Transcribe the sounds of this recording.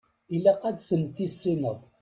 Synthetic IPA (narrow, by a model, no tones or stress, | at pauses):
ilːæqæd̪θənt̪isːinəðˤ